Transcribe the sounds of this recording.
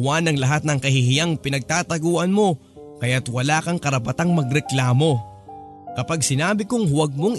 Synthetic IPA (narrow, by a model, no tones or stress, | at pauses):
wanɐŋlɐɦat̪̚nɐŋkɐhɪhɪjaŋpɪnɐɡ̚t̪aːt̪ɐɡoːʔɐnmo̞ | kɐjat̪wɐlaːkɐŋkɐɾɐpɐt̪aŋmɐɡɾɛklaːmo̞ | kɐpaɡsɪnaːbɪkʊŋhwɐɡ̚mo̞ŋ